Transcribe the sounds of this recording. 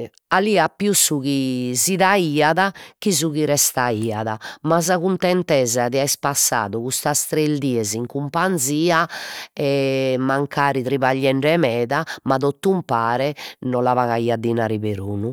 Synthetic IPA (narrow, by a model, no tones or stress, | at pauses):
aliːapːjusːuɣiziðaiːaðakizuɣiɾɛst̪aiːaðamaz̬aɣunt̪ɛnt̪ɛzaðiaispasːa̰ːðuɣust̪ast̪ɾeld̪iːɛziŋkumpand̪ziːaɛmaŋkʰaːɾit̪ɾiβaʎːɛɳɖɛmɛːðamaðot̪ːumpaːɾɛnɔlavaɣaiːad̪ːinaːɾiβeɾṵːnu